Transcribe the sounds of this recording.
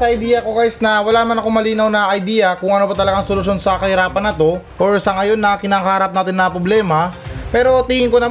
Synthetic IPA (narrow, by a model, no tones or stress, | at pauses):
sɐɐjd̪iːjɐko̞kaːjsnɐwɐlaːnɐmɐnɐkoŋmɐliːnɐwnɐʔɐjd̪iːjɐkʊŋʔɐnobɐt̪ɐlɐɡaŋsolʊʃo̞nsɐkɐhɪɾaːpɐnːɐt̪o̞ʔoɹsɐŋɐjo̞nːɐkɪnaːkɐhaːɾɐp̚naːt̪ɪnːɐpɾoblɛːmɐpɛːɾo̞t̪ihɪŋkonɐ